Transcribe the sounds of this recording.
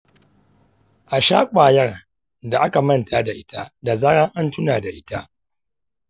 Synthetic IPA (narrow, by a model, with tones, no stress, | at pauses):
ʔa˨ʃaː˦kʷʼaː˨jɐ˦r | da˨ʔa˦ka˨mɐ˦˨ntʰa˦da˨ʔɪ˦tʰa˦da˨za˦ɽɐ˦ŋʔa˦ntʊ˦naː˨da˨ʔɪ˦ta˦ʔ